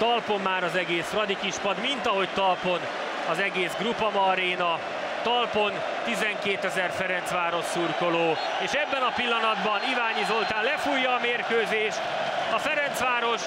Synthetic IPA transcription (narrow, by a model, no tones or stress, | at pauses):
t̪ɒlpo̞mːaːɾɒzɛɡeːsrɒd̪ikiʃpɒd̪mint̪ɒɦo̞ct̪ɒlpo̞n | ɒzɛɡeːzɡrupɒmɒɾeːnɒ | t̪ɒlpo̞n | t̪izɛŋkeːt̪ɛzɛrfɛɾɛnt̪sʋaːɾo̞ʃsurko̞loː | eːʃɛbːɛnɒpilːɒnɒd̪bɒnivaːɲizo̞lt̪aːlɛfujːɒːmeːrkøːzeːʃ | ɒfɛɾɛnt̪sʋaːɾo̞ʃ